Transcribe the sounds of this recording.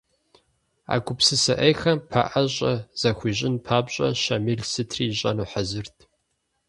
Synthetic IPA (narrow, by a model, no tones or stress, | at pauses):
a̰ːkʷʰʊpsɨsɐʔɐjxɐmpʰa̰ʔɐɕʼɐz̥ɐxʷiːʑʼɪnpʰaːbɕʼɐɕɐmiɮsɨtʰriːɕʼɐnuːħɐzɨrtʰ